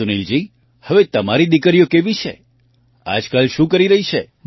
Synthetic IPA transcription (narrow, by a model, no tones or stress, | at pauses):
unild͡ʒi | həʋet̪əmaɾid̪ikəɾijokeʋit͡ʃʰḛ | a̰d͡ʒkalʃũkəɾiɾəɦit͡ʃʰe